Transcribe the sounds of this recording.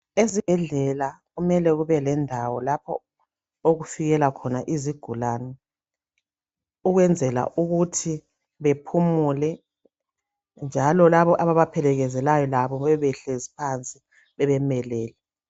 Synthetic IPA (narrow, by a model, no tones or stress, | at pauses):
ezib̥ʱɛɮɛlaɣumɛlɛɣuβɛlɛndʱawɔlapʰɔ̰ | oɣufiɣɛlakʰɔnaʔiziɡ̥ʱulaːnɔ | uɣwɛnd͡zʱɛla̰ʔuɣutʰi | βepʰumulɛ | nd͡ʒʱalɔlaβɔʔaβaβapʰɛlɛɣɛzɛlajɔlaβɔβɛβɛɬezipʰant͡sʼi | βɛβɛmɛlɛːlɛ